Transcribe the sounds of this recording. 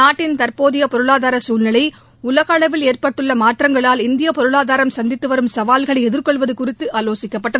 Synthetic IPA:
aːʈːɪnt̪ɐrpoːðɪjɐpɔɾɯɭaːðaːɾɐsuːlnɐɭɐɪ | ʊlɐɣaːɭɐʋɪleːrpɐʈːɯɭːɐmaːʈrɐŋɡɐɭaːlɪnd̪ɪjɐpɔɾɯɭaːðaːɾɐmsɐnd̪ɪt̪ːɯʋɐɾɯmsɐʋaːlɣɐɭɐɪɛðɪɾkɔɭʋɐðɯkʊrɪt̪ːɯʔaːloːsɪkːɐpːɐʈːɐ

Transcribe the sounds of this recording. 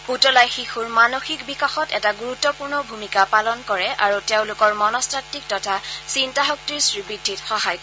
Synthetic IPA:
utɔlajxixuɹmanoxikbikaxɔtɛtaɡuɹutːɔpuɹnɔbʱumikapalɔnkɔɹɛʔaɹuteʊ̃lʊkɔɹmɔnɔstʰatːik̚tɔtʰasintaɦɔk̚tiɹsɹibidʱːitxɔɦajkɔ

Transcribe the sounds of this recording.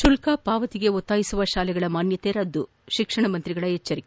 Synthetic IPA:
ʃulkaːpaːʋɐt̪iɡe̞ɔt̪ːaːjisuʋɐʃaːlɛɡɐɭɐmaːnjɐt̪eːɾɐd̪ːu | ʃikʂɐɳɐmɐnt̪ɾiɡɐɭɐɦet͡ʃːɐɾik

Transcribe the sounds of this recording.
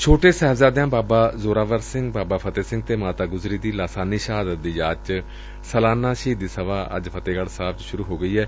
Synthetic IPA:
t͡ʃʰoːʈeːsɛɦbzaːd̪ɪjãːbaːbaːzoːɾaːʋəɾsɪ̃ŋɡbaːbaːpʰət̪eːsɪ̃ŋɡ̚t̪eːmaːt̪aːɡʊzɾiːd̪iːlaːsaːniːʃəɦaːd̪ət̪̚d̪iːjaːt͡ʃ | səlaːnaːʃəiːd̪iːsəʋaːʔə̰d͡ʒpʰət̪eːɡəlsaːpʰt͡ʃʃʊɾuːɦoːɡəiːɦɛː

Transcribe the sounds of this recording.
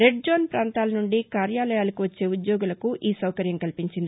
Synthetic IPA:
ɾe̞ɖ̚d͡ʒoːnpɾaːnt̪aːlɐnuɳɖikaːɾjaːlɐjaːlɐkuʋɐt͡ʃːe̞ːud̪joːɡulɐkuʔiːsɐwkɐɾjɐmkɐlipiɲt͡ʃind̪i

